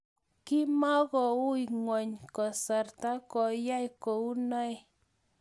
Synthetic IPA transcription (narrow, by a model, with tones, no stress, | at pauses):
kɪ˦ma˦kɔ˨ʊ˦i˨ŋwɔ˨ɲkɔ˨sa˨rta˦kɔ˨ja˦i˨kɔ˨u˦na˦j